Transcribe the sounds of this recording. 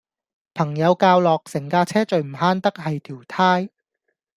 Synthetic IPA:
pʰɐ˨˩ŋjɐ˨˧wkaː˧wlɔː˨k̚sɪ˨˩ŋkaː˧t͡sʰɛː˥t͡ʃɵ˨ɥm̩˨˩ɦaː˥nt̪ɐ˥k̚hɐ˨jt̪ʰiː˨˩wt̪ʰaː˥j

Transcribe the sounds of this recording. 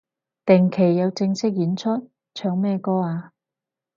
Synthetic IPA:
t̪ɪ˨˩ŋkʰe˨˩jːɐ˨˧wt͡sɪ˧ŋsɪ˥k̚jiː˨˥nt͡sʰɵ˥t̚ | t͡ʃʰœː˧ŋmɛː˧kɔː˥aː˧

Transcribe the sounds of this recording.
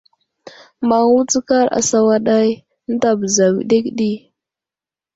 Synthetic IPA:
ma˨u˦t͡si˦ka˦ɾa̰˨sa˨wa˦ɗa˦j | n̩˦da˨bə˨za˨wḭ˨ɗe˦kɗi˦

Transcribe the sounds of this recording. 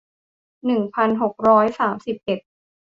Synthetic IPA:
nɯ˨˩ŋpʰa˧nɦo˨˩k̚ɾɔː˦˥jsaː˩˦msi˨˩p̚ʔe˨˩t̪̚

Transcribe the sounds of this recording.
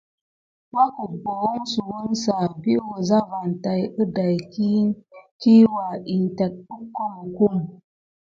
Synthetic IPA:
wa˦ku˨ɡ͡bo˨wo˦ŋsu˨wu˦nsa˨bi˦ʔwə˨za˦va˨nta˨jə˦da˨jki˦ki˦wa˨ʔi˨nta˨k̚ɗu˦kːo˦mu˨ku˦m

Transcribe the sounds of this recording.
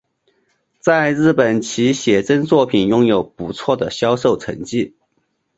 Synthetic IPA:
t͡sa˥˧ɪɻɻ̩˥˩pə˨˩nt͡ɕʰi˧˥ɕjɛ˨˩ʈ͡ʂə˥nt͡swɔ˥˩pʰi˨˩njʊ˥ŋjo˨˩ʊpu˧˥t͡sʰwɔ˥˩d̪ə˩ɕjɑ˥ʊʂo˥˩ʊʈ͡ʂʰə̰˧˥ŋt͡ɕi˥˩

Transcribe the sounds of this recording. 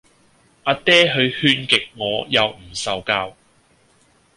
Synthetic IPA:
ʔaː˧t̪ɛː˥ɦɵ˨˧ɥhyː˧nkɪ˨k̚ŋɔː˨˧jɐ˨wm̩˨˩sɐ˨wkaː˧w

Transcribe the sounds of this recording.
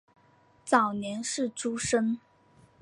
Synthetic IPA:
t͡sɑ˨˩ʊnjɛ˧˥nʂɻ̩˥˩ʈ͡ʂu˥ʂə˥ŋ

